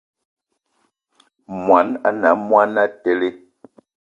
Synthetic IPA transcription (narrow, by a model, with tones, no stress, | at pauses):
mwa˨˦na˨na˨˦mwa˦na˦tɛ˦le˦